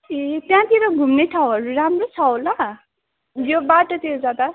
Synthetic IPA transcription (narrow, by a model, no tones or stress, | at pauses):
et̪jãt̪iɾʌɡʱumneʈʰawɦʌɾuɾamrot͡sʰawla | jobaʈʌt̪id͡zad̪a